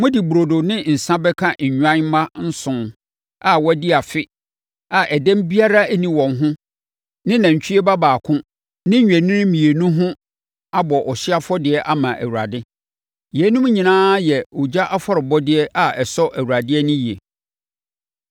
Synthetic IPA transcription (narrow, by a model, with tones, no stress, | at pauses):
mʊ̃˦di˨bu˨ɾo˨do˨nɪ̃˦n̩˨sã˦bɛ˦kʰã˦˨ɲ̩˨ɲᶣã˦nm˦mã˦n̩˦sʊ̃˨ | a˨wɔ˦dɪ˦a˨fɪ˦ | a˨ʔɛ˨dæ̃˦m˦bi˦a˦ɾa˦æ˦nĩ˨wɔ̃˨nɦʊ̃˦ | nɪ̃˦nã˨ɲ˨t͡ɕʰᶣi˦ɛ˦ba˦baː˨kʰʊ̃˦ | nɪ̃˦ɲᶣ˨æ˨nɪ̃˦ɾmĩ˨e˨nũ˦ɦʊ̃˦ | a˦bɔ˨ʔɔ˨ɕɪ˦a˦fɔ˦dɪ˨ɛ˦ʔa˦mã˨ʔæ̰˨wu˨ɾa˨dɪ˦ | jɛ˨˦nũ˦m˦ɲĩ˨nãː˦jɛ˨ɔ˨d͡ʑa˦ʔa˦fɔ˦ɾɪ˨bɔ˦dɪ˦ɛ˦a˨ɛ˨sɔ˦ʔæ˨wu˨ɾa˨dɪ˦ɛ˦nʊ̃˦ji˨e˨